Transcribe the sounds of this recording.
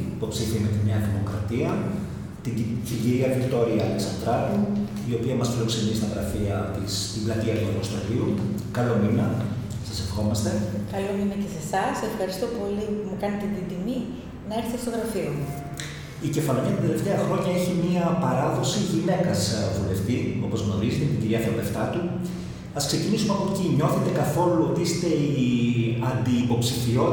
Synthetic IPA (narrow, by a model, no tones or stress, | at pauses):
ipo̞psiθimet̪iɲɐðimo̞kɾɐt̪iɐ | t̪içiʝiɾiɐvikt̪o̞ɾiɐɐleksɐnd̪ɾɐt̪u | io̞piɐmɐsfilo̞kse̞nisit̪ɐɣɾɐfiɐt̪ist̪iblɐt̪iɐt̪uɐpost̪o̰liukɐlo̞minɐ | sɐsefxo̞mɐst̪e̞kɐlominɐce̞sesɐse̞fxɐɾist̪o̞po̞lipumukɐnet̪et̪ind̪imi | nɐeɾθet̪st̪oðɾɐfiomu | ice̞fɐloɲɐt̪ind̪e̞le̞ft̪e̞ɐxɾo̞ɲɐeçimiɐpɐɾɐðo̞siʝine̞kɐsvule̞ft̪io̞po̞zɣno̞ɾizit̪et̪iɟiɾiɐfɐule̞ft̪ɐt̪u | ɐskse̞cinisumeɐpopciɲo̞θet̪e̞kɐθo̞luot̪iist̪e̞ | ɐnd̪iːpo̞psifio̞